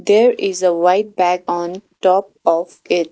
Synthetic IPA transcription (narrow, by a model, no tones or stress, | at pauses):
d̪eːɾɪzəʋaɪʈ̚bækɔ̃ːnʈɔːp̚ | ɔːf | ɪʈ̚